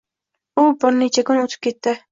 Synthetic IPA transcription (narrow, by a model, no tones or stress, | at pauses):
ʊbɪɾnit͡ʃʰakʰʲʊnɵt̪ʰɪ̥p̚kʲʰet̪ːɪ